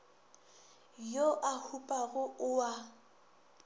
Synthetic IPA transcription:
joʔahupʼaɣʊʔʊa

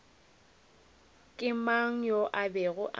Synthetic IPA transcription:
kʼɪmaŋ̩joʔabɛɣʊʔa

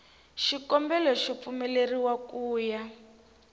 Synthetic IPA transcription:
ʃikɔmbɛlɔʃɔp̪fumɛleriwakuːja

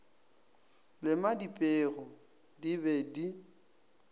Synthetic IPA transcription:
lɪmadipʼeːrɔ | diβɛdi

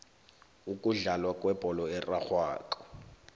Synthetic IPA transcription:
ukʼuɮalwakʼwɛb̥ʱɔlɔɛraxwa̰ːǃɔ̥

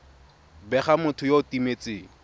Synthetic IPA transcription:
bɛχamʊtʰʊjoʊtimet͡sɪːŋ̩

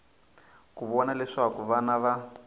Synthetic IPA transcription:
kuβɔnalɛʂakuβanaβa

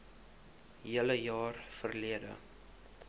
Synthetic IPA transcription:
ɦiələjɑːrfərliədə̰

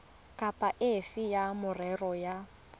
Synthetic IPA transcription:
kʼapʼaʔɪfɪjamʊrɛrɔja

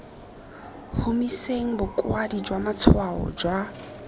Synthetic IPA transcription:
humiseŋ̩bʊkʼwadid͡ʒwamat͡sʰwaɔ̰d͡ʒwa

